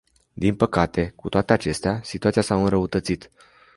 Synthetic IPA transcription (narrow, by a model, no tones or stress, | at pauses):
d̪inpəkat̪e̞kut̪owat̪e̞at͡ʃe̞st̪easit̪uat̪siasawɨnɾəut̪ət̪sit̪